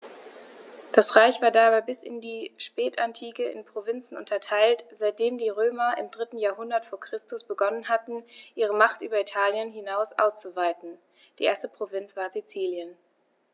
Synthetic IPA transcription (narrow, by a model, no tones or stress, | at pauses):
d̥asʁaɪçv̥aːɐdabaɪbɪsɪ̰ndiːʃpɛːtantʰiːkəɪ̰npʁ̥ovɪnt͡sn̩ʔʊ̰ntɐtʰaɪltz̥aɪt̚d̥eːmdiːʁøːmɐʔɪ̰mdʁɪtn̩jaːɐɦʊndɐtfoːɐkʁ̥ɪstʊsb̥əɡɔnənɦatn̩ʔiːʁ̞əmaχtʔyːbɐitʰaːljənɦɪnaʊsʔa̰ʊst͡suvaɪtn̩ | d̥iːʔeːɐstəpʁ̥ovɪnt͡sv̥aːɐzit͡siːljən